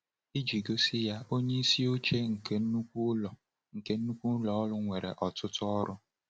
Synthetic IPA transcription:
i˦d͡ʒi˨ɡo˦si˦ja˦ʔo˦ɲe˦i˦si˦o˦t͡ʃe˦ŋ̩˨ke˦u˦kʷu˦ɔ˨ | ŋ̩˨ke˦n̩˦nu˦kʷu˦lɔ˨ɔ˦lʊ˦ŋʷe˨ɾḛ˨ʔɔ˨tʊ˦tʊ˦ɔ˦ɾʊ˦

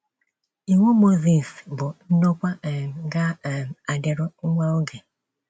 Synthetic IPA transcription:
i˨ŋʷo˦mo˦zi˨sbʊ˨n̩˦no˦kʷa˦˨ɡa˦˨a˨dɪ˨ɾʊ˦ŋ̩˦ŋʷa˦o˦ɡe˨

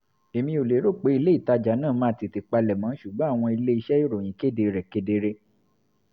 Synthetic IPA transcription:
e˨mĩ˧o˨le˨˦ɾo˦˨k͡pe˨˦i˧le˦i˦˨ta˧d͡ʒa˨˦nãː˦˨mã˦˨ti˨ti˨k͡pa˧lɛ˨mã˨˦ʃu˨ɡ͡bɔ̃˨˦a˦˨w̃ɔ̃˧i˧le˦i˧ʃɛ˦o˦˨ɾo˨j̃ĩ˨˦ke˦˨de˧ɾɛ˨ke˦de˧ɾe˧

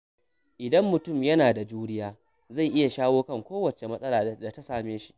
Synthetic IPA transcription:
ʔɪ˨dɐ˦mːʊ˨tʊ˦˨mjɐ˦naː˨da˨d͡ʒuː˦nɪ˦jaː˦ | za˦˨jʔɪ˦ja˨ʃaː˦woː˦kɐ˦˨ŋkʷoː˦wɐ˨t͡ʃe˨mɐ˦sʼɐ˦laː˨da˨ta˦saː˨meː˦ʃi̥˦ʔ

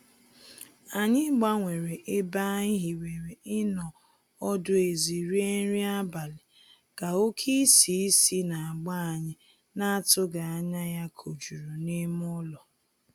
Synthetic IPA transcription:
a˨ɲɪ˦ɡ͡ba˦ŋʷe˨ɾe˨ʔe˦ba˦i˦ɦi˨we˨ɾe˨ɪ˦nɔ˨ | ɔ˦dʊ˦e˨zi˨ɾi˦e˦ɾi˦a˦ba˨lɪ˨ | ɡ̥a˨o˦kʰi˦si˨˦si˦na˨a˨ɡ͡ba˦a˨ɲɪ˦ | na˦a˦tʊ˦ɡa˨a˦ɲa˦ja˦kʰo˨d͡ʒu˨ɾu˨nɪ˦m˦ʊ˦lɔ˨

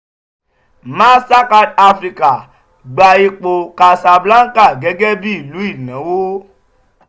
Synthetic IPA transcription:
mã˦sa˦ka˧da˧fɾi˧ka˨ | ɡ͡ba˧i˧k͡po˧ka˧sa˧bla˦ŋ̩˦ka˦˨ɡɛ˨˦ɡɛ˦bi˦i˦˨lu˨˦i˦˨nã˨˦wo˦

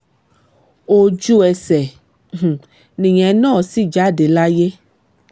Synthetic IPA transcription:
o˨d͡ʒu˦ɛ˨sɛ̃˨ | nĩ˨ɲɛ̃˨˦nɔ̃ː˦˨si˦˨d͡ʒa˨˦de˨la˦je˦

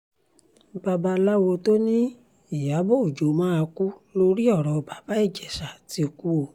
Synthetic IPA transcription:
ba˧ba˧la˦wo˧to˦nĩ˦ | i˨ja˨˦bo˦o˨d͡ʒo˨˦mãː˦a˧ku˦lo˧ɾi˦ɔ˦˨ɾɔ˨˧ba˨ba˦ɛ˦˨d͡ʒɛ˨sa˨ti˧o˨ku˦o˧˨

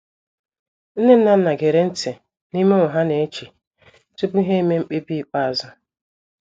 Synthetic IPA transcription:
n̩˦ne˦n̩˦na˨n̩˦na˨ɡe˨ɾe˦n̩˦tɪ˨ | ni˦me˦ʊ˨ɦa˦ne˨e˦t͡ʃi˨ | tu˦pu˦ɦe˦i˦me˦ŋ͡m̩˦k͡pe˦bi˦i˨k͡pa˦a˨zʊ˦

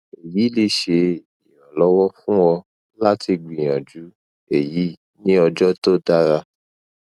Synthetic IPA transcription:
e˨jiː˨˦le˧ʃe˧ | i˨jɔ˨lɔ˨˦wɔ˦fũ˦wɔ˧ | la˦ti˧ɡ͡bĩ˨j̃ã̰˨d͡ʒu˨˦ | e˦˨ji˨˦ | nĩ˦ɔ˧d͡ʒɔ˦to˦da˦ɾa˧

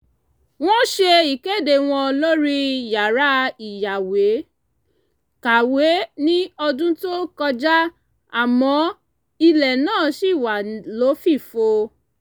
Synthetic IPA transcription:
w̃ɔ̃˦ʃe˧i˨ke˦˨de˨w̃ɔ̃˧lo˦ɾi˦ja˨ɾa˦i˨ja˨we˨˦ | ka˨we˨˦nĩ˦ɔ˧dũ˦to˦kɔ˧d͡ʒa˦ | a˦˨mɔ̃˨˦ | i˧lɛ˨nãː˦˨ʃi˦˨wa˨lo˨˦fi˦˨fo˧

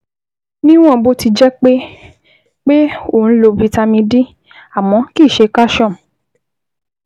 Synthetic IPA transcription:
nĩ˦w̃ɔ̃˦˨bo˧ti˧d͡ʒɛ˦k͡pe˦ | k͡pe˦o˦˨n̩˨˦lo˧bi˧ta˧mĩ˧dĩ˦ | a˨mɔ̃˨˦ki˦˨ʃe˨˧ka˦ʃɔ̃˦˨

